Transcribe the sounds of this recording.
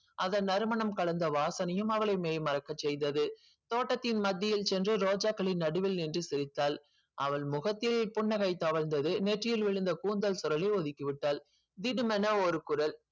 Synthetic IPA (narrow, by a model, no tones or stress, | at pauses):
ʔɐðɐnnɐɾɯmɐɳɐmkɐɭɐnd̪ɐʋaːsɐnɐjɯmɐʋɐɭɐɪmeːjmɐɾɐkːɐt͡ʃːɛjd̪ɐðɯ | t̪oːʈːɐt̪ːɪnmɐd̪ːɪjɪlt͡ʃɛndrɯɾoːd͡ʒaːkːɐɭɪnːɐɽɯʋɪlnɪndrɯsɪɾɪt̪ːaːl | ʔɐʋɐɭmʊɣɐt̪ːɪlpʊɳːɐɣɐɪt̪ːɐʋɐɻnd̪ɐðɯnɛʈrɪjɪlʋɪɻɯnd̪ɐkuːnd̪ɐlsʊɾɐlɪɔðɪkːiʋɪʈːaːl | d̪ɪnɯmɛnɐɔɾɯkʊɾɐl